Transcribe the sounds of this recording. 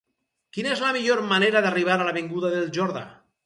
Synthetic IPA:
kinezlamiʎoɾmaneɾaðariβ̞aɾalaβeŋɡuðaðelʒoɾða̰

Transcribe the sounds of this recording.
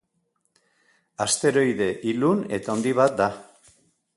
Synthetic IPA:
ast̪e̞ɾo̞jðe̞ʔilune̞t̪ao̞nd̪iβ̞at̪̚d̪a

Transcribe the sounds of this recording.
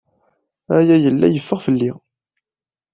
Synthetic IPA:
æjæjəlːæ̰jəfːəʁfəlːi

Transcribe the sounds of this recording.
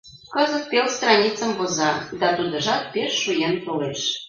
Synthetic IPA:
kɤzə̆t̪̚pelst̪rɑnʲit͡səmbozɑd̪ɑt̪ud̪ə̆ʒɑt̪̚peʃːujent̪oleʃ

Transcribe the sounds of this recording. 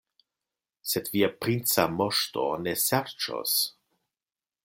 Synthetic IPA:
sedviapɾint͡samoʃto̰nesɛɾt͡ʃo̰s

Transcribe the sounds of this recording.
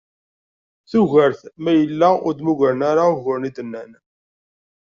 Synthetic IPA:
θuʝəɾθmæjəlːæʊ̰ɾd̪muʝəɾənaɾaɣʊɾnid̪ənːæn

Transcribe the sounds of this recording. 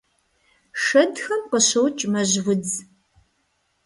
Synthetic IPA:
ʂɐdxɐmqəɕowt͡ʃʼmɐʑwʷʊd͡z

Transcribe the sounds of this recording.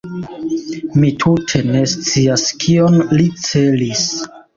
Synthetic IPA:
mitʰutʰe̞ne̞st͡siaskʰio̞nlit͡se̞lis

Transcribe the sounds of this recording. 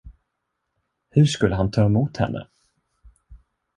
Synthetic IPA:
hɵʂkɵlːəɦant̪ʰɑːɛmuːt̪hɛ̰nːə̰

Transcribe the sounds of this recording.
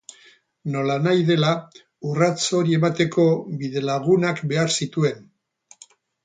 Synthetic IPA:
no̞lanajðe̞la | urat͡so̞ɾie̞mat̪e̞ko̞biðe̞laɣ̞unakbe̞aɾsit̪ue̞n

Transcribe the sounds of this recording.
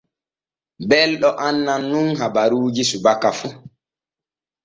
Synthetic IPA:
bɛlɗɔʔanːanːunɦabaɾuːd͡ʒisubakːafu

